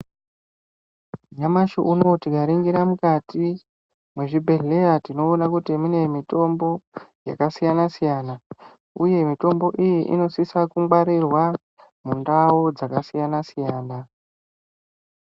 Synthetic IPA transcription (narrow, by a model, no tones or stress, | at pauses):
ɲamaʃo̰ʔuno̞tiɡʱaɾiŋɡiɾamukati | mweʐibʱe̞ɮeatino̞ːnakutimune̞mito̞mbo̞ja̰kasijanasijaːna | uje̞mito̞mbo̞ʔijiʔḭno̞sisakuŋɡwaɾirwa | mundaod͡zakasijanasijaːna